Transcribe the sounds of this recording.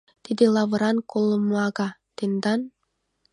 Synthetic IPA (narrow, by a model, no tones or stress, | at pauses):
t̪ed̪elˠɑvɤ̆ɾɑnkolˠːɤ̆mɑɡɑt̪end̪ɑn